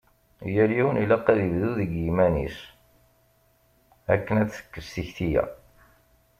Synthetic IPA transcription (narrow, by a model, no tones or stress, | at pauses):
jæɾiwnilɑqːæðəvðuðəɡjimænis | æ̰kːənæt͡sːə̥kːəɾsiçθijæ̰